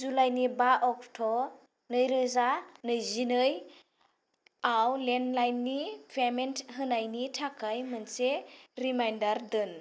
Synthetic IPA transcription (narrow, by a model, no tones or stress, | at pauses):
zulajnibaʔɔk̚tʰɔ | nɯjɾɯzanɯjzinɯj | awlenlajnːipʰementʰɦɯnajnitʰakʰajmɯnseɾimajndaɾdɯn